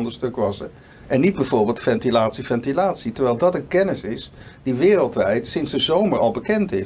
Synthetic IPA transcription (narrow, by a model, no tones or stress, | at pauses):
ndəstɵkʋɑsə̰ | ʔɛnːid̚bɛjvʊːɹbeːlˠtfɛntilaːtsifɛntilaːtsitəɹʋɛjlˠdɑtənkɛnɪsɪs | d̥iʋɪːrəlˠtʋɛjtsɪnzdəzowməɹɑlˠbəkɛntɪ